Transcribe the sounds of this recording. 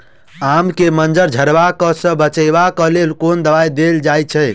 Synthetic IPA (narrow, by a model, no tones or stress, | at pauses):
amkemənd͡ʒəɾd͡ʒʱəɾbakəsə̃bət͡ʃəβakəlelkond̪əβajd̪eld͡ʒajt͡ʃʰɛ